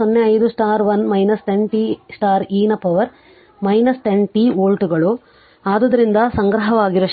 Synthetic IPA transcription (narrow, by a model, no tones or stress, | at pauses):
onːeɐjd̪usʈaːɾʋɐnmɐjnɐsʈ̪eɳʈisʈaːɾiːnɐpɐʋɐɾ | mɐjnɐsʈ̪eɳʈioːlʈuɡɐɭu | aːd̪ɐd̪ɐɾind̪ɐsɐŋɡɾɐɦɐʋaːɡiɾɐʃ